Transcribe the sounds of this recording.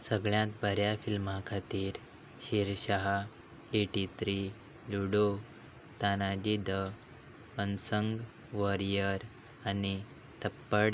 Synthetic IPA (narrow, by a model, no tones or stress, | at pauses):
səɡɭjãt̪bəɾjafilmakʰat̪iːɾ | ɕiɾɕaɦa | eʈit̪ɾi | luɽo | t̪anad͡ʑid̪ə | pənsəŋɡ | ʋəɾijəɾ | ani | t̪əpːəɽ